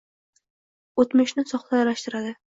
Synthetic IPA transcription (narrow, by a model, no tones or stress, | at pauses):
ot̪mɪʃnɪsɒχlˠajaɾaʃt̪ɪɾad̪ɪ